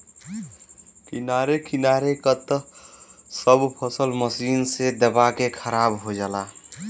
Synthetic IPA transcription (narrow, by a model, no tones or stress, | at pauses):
kinaɾekinaɾekət̪ | səbpʰəsəlməsiːnsed̪əbakekʰəɾabɦod͡ʒala